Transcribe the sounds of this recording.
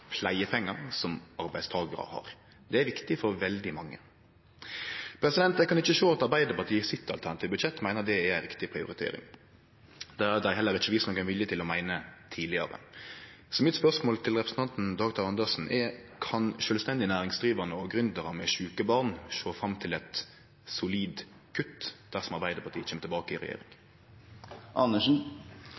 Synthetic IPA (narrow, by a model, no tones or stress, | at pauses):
pʰlæɪəpʰɛŋːəɾsɔmɑɾbæɪst̪ʰɑːɡəɾə̰hɑ̰ɾ | d̪ɛæʋɪkt̪ɪfɔɾʋɛld̪ɪmɑŋːə | pʰɾɛsɪd̪ɛnt̪d̪æɪkɑnɪçəʃoːɑt̪ɑɾbæɪd̪əpɑʁt̪ʰiːəsɪt̪ːɑlt̪ʰæʁnɑt̪ʰiːʋbʉt̪ʃɛt̪ːmæɪnəd̪ɛːæɪɾɪkt̪ɪpʰɾɪʊ̰ɾɪt̪ʰḛːɾɪ̰ŋ | d̪ææd̪æɪɦɛlːəɾɪt͡ʃːəʋiːsnɔkænʋɪljət̪ʰɪlɔmæɪnət̪ʰiːlɪə̰ɾə̰ | sɔmɪt̪spœʁsmoːlt̪ʰɪlʁɛpɾəsn̩t̪ʰɑnt̪n̩d̪ɑːɡt̪ʰɑʁɑnd̪əʂn̩ʔɛkʰɑnʃœːlst̪ɛnd̪ɪənæːɾɪŋsd̪ɾiːʋəʁnəɔɡɾʉnd̪əʁəmɛʃʉːkəbɑʁnʃoːfʁɑmːt̪ʰɪlɛt̪ | sʊliːd̪ | kʰʉt̪d̪̥æʁsɔmɑʁbæɪd̪əpʰɑʁt̪iːəçɛːmət̪ɪlbɑːkəɪɾɛ̰jḛːɾɪ̰ŋ | ʔɑnːəʂn̩